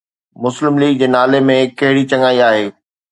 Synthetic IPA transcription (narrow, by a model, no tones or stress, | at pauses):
mʊslɪmliːɡ̚d͡ʑeːnaːlemẽkɐɦɪɽit͡ɕɐ̃ŋaːiaːɦeː